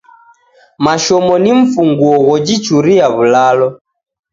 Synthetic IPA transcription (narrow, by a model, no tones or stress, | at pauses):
maʃɔmɔniɱ̩fuŋɡuɔɣɔd͡ʒit͡ʃuɾiaβulalɔ